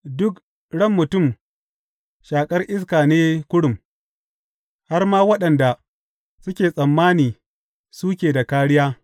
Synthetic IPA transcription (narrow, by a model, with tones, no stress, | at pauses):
dʊ˦k | ɽɐ˦˨mːʊ˨tʊ˦˨m | ʃaː˨kʼɐ˦rʔɪ˦s̬kaː˨neː˦kʷʊ˦ɽʊ˨m | ha˦rmaː˦wɐ˦ɗɐ˨nda˨ | sʊ˦kʲeː˨sʼɐ˨mːaː˦niː˨ | su˦kʲeː˨da˨kaː˦ɽɪ˦jaː˦